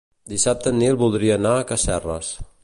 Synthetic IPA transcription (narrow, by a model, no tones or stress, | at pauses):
d̪isap̚t̪ənːilˠβulˠd̪ɾiəːnaːkəsɛrə̰s